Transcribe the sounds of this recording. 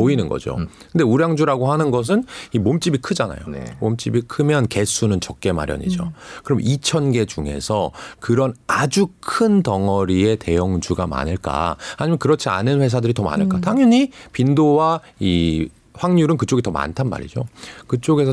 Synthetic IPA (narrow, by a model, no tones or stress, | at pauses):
poinɯnɡʌ̰d͡ʑo̰kɯnde̞uɾjaŋd͡ʑuɾaɡohanɯnɡʌs̬ʰɯnimomt͡ɕ͈ibikʰɯd͡ʑana̰jo̰momt͡ɕ͈ibikʰɯmjʌnke̞sʰunɯnt͡ɕʌk̚k͈e̞ma̰ɾjʌ̰ɲḭd͡ʑo̰kɯɾʌmit͡ɕʰʌnɡe̞d͡ʑuŋe̞̰sʰʌkɯɾʌnad͡ʑukʰɯntʌŋʌɾie̞te̞jʌŋd͡ʑuɡama̰nɯɭk͈a̰haɲimjʌnkɯɾʌt͡ɕʰia̰nɯnɸwe̞sʰadɯɾitʌma̰nɯɭk͈ataŋjuɲipindowa | i | ɸwaŋɲuɾɯnkɯt͡ɕ͈oɡitʌma̰ntʰanma̰ɾḭd͡ʑokɯt͡ɕ͈oɡe̞sʰʌ